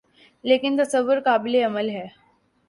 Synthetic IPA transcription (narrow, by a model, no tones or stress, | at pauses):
lekint̪əsəbəɾkableəməlɦɛ